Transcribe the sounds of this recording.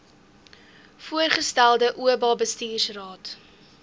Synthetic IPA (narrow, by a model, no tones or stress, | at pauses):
fuərχəstælˠdəʔuəbɑːbəstiːrsrɑːt